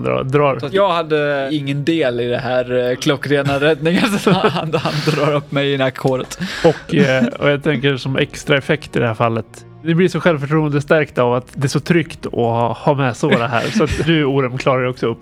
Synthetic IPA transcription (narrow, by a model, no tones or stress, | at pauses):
nd̪ɾɑ̰ːd̪ɾɑːɾjɑːɡhad̪ːəɪŋːənd̪eːlɪd̪ɛɦæːɾkʰlɔkːɾeːnaɾɛd̪nɪŋansat̪anhand̪ɾɑːɾɵpːmɛjɪnakʰːoːɾət̪ɔkɔ̰jɑːɡt̪ʰɛŋkəɾʂɔmɛ̰kst̪ɾaɛfɛkt̪ɪd̪ɛhæːɾfalːət̪ | nɪblɪʂɔɧɛlvfœʈʰɾuːənd̪əst̪æɾkt̪avat̪d̪ɛæʂɔt̪ʰɾʏkt̪ɔ̰hɑːmɛsɔd̪ɛɦæ̰ːɾsɔat̪d̪ʉuːɾɛmkʰlɑːɾaɾɛɔksɔɵpː